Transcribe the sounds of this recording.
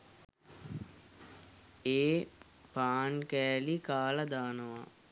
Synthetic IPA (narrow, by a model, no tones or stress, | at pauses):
eː | paːnkæːlikaːlɐd̪aːnəʋa̰